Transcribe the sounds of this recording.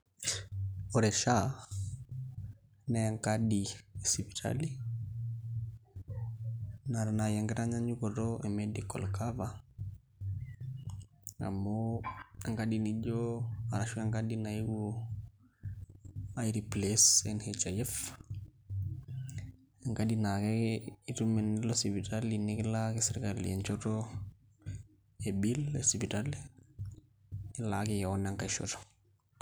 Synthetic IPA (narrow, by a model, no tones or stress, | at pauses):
ɔɾɛʃa | najaŋkaɗisipitʰa̰li | naɾanajaŋɡɛɾaɲaɲukɔɾɔʔɛmɛdikɔ̰lkava | a̰moaŋɡaɗinid͡ʒɔa̰ɾaʃuaŋɡaɗinaiwɔ | ajɾiplesenhet͡ʃajef | aŋkadinakeitumenilosipitalinːikilakisiɾkalḭent͡ʃoto | ebilesipital | ilakijaonaŋkaʃo̰to̥